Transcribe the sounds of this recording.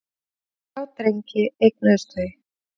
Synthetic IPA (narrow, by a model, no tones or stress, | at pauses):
awt̪ɾeɲcɪejk̚nœst̪ʏj